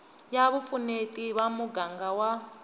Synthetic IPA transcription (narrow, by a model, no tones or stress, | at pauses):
jaβup̪funetʼiβamuɡaŋɡawa